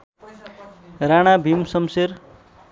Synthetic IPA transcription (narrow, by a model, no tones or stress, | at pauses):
raɽ̃abʱimsʌmser